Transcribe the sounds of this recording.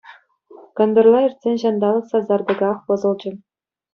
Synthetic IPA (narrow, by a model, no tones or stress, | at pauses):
kɤ̆nd̪ɤ̆rlˠɑirʲt̪ʲsʲenʲʑɑnd̪ɑlˠɤ̆ksɑzɑrd̪ɤ̆ɡɑχpɤ̆zɤ̆lˠd͡ʑɘ̆